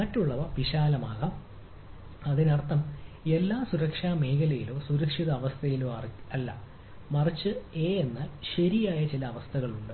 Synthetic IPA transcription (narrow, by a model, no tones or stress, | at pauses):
mɐtːuɭːɐʋɐʋiɕaːlɐmaːɣɐ | ɐðinɐrt̪ʰːɐme̞lːaːsuɾɐkʂaːme̞ːkɐlɐjilo̞ːsuɾɐkʂiðɐːʋɐst̪ʰɐjilo̞ːɐrɐlːɐ̰ | mɐrɐt͡ɕːɨe̞ːenːaːlɕɐɾijaːjɐt͡ɕilɐːʋɐst̪ʰɐɣɐɭuɳɖɨ